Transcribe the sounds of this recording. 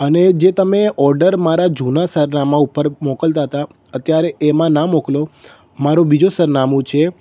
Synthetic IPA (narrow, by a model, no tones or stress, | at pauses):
əned͡ʒet̪əmeɔɾɖəɾmaɾad͡ʒunasəɾnamãupəɾmɔkəlt̪aɦət̪a | ət̪jaɾeʔemãnamoklo | maɾõbid͡ʒosəɾnamũt͡ʃʰe